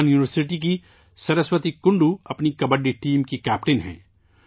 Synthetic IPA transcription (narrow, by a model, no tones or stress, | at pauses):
njuːnɪʋəɾsɪʈ̬ik̬i | sɐɾəswət̪ikʊɳɖuɐpnikɐbəɖiʈiːmkikɛːpʈenɦɛ̰̃ː